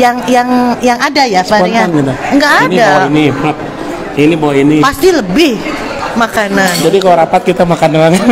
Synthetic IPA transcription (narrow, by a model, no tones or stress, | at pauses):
jaŋjaŋjaŋadajasaɲaankit̪uəŋɡaːinidabawainipak̚ | inibawainipast̪iləbɪh | makanand͡ʒadikaloɾapat̪̚kit̪amakanalaŋa